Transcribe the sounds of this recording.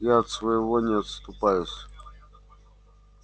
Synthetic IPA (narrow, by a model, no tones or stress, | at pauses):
jaːt̪svɐjɪvɔnʲɪɐt̪st̪ʊpajʊsʲ